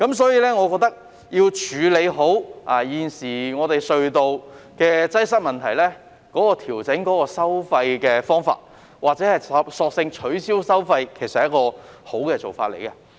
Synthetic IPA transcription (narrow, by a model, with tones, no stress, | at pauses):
kɐ˨˥msɔː˨˥jiː˧lɛː˥ŋɔː˨˧kɔː˧k̚t̪ɐ˥k̚ | jiː˧wt͡ʃʰyː˨˧le˨˧jɦo˨˥waː˨˩jiː˨˩nsiː˨˩ŋɔː˨˧t̪e˨jsɵ˨ɥt̪o˨wkɛː˧t͡sɐ˥jsɐ˥t̚mɐ˨nt̪ʰɐ˨˩jlɛː˥ | kɔː˨˥kɔː˧t̪ʰiː˨˩wt͡sɪ˨˥ŋkɔː˨˥kɔː˧sɐ˥wfɐ˧jkɛː˧fɔː˥ŋfa̰ː˧t̚ | waː˨t̚t͡sɛ˨˥hɐ˨jɐ˨sɔː˧k̚sɪ˧ŋt͡ʃʰɵ˨˥ɥsiː˥wsɐ˥wfɐ˧jkʰe˨˩jsɐ˨˦jɐ˥t̚kɔː˧ho˨˥wkɛː˧t͡so˨˩wfaː˧t̚le˨˩jkɐ˧